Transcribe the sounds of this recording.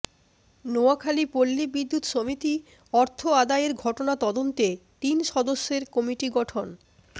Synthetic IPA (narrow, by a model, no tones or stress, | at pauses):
noakʰalipolːibid̪ːut̪ʃomit̪i | ɔɾt̪ʰoad̪aeɾɡʱɔʈonat̪ɔd̪ont̪et̪inʃɔd̪oʃːeɾkɔmiʈiɡɔʈʰon